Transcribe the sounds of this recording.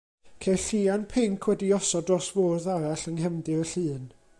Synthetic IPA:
kʰeɬianpʰɪŋkʰwɛdiɔsɔdrɔsvoːrðaɾaɬəŋɦɛmdɨəɬɨːn

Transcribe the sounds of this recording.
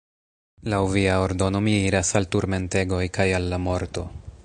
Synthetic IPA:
lawviao̞ɾdo̞no̞miiɾasaltuɾme̞nte̞ɡo̞jkajalːamo̞ɾto̞

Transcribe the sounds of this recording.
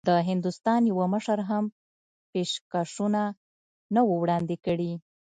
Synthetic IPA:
d̪əɦɪnd̪ust̪ɑnjawəməʃəɾɦam | peʃkaʂuna | nəwəwɽɑnd̪ekəɽi

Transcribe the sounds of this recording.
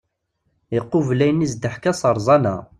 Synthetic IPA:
iqːʊvlæjnizd̪əħkæsˤəɾˤzˤɑnæ̰

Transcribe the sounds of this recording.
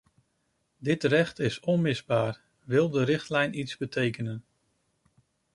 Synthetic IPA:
dɪtrɛχtɪsɔnmɪzbaːɹ | ʋɪlˠdəɾɪχtlɛjnʔitzbətejkənən

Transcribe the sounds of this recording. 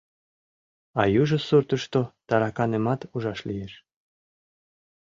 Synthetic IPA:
ɑjuʒɤ̆suɾt̪ə̆ʃt̪ot̪ɑɾɑkɑnemɑt̪uʒɑʃlijeʃ

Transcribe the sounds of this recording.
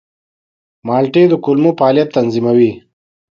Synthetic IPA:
maːlʈed̪əkulmupaːljɐt̪ːɐnzimawi

